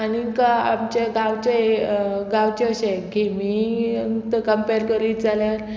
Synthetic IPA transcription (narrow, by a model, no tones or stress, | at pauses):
anikaa̰mt͡ɕaɡaʋt͡ɕe | ɡawt͡ɕeəɕeɡʱemi | t̪əkəmpeɾkəɾiːd͡zaljaɾ